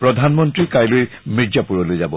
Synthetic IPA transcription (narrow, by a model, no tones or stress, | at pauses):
pɹɔdʱanmɔntɹikajloj | miɹzapuɹɔlojzabɔ